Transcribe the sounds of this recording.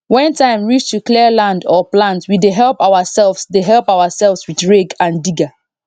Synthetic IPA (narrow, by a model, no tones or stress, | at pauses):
wɛ̃ntʰãɪ̃mɹit͡ʃtʰukliəlãndɔplãntwideɦɛlˠpawəsɛlˠvsdeɦɛlˠpawəsɛlˠvswiθɹeɡãndiɡa